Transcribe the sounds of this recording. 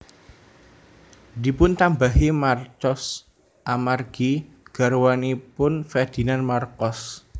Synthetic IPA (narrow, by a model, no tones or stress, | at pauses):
dipʊnt̪ambaɦimart͡ʃɔs | ʔamarɡ̥i | ɡ̥a̤ɾwanipʊnfɛrd̪̥i̤nanmarkɔs